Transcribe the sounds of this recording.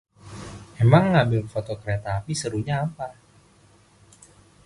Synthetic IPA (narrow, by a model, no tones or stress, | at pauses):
emaŋːambɪlfot̪okəɾet̪aːpisəɾuɲaːpa